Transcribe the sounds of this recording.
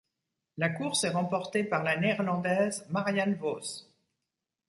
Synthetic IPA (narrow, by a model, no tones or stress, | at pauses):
lakuʁsɛʁɑ̃pɔʁt̪epaʁlaneːɛʁlɑ̃d̪ɛzmaʁjanvos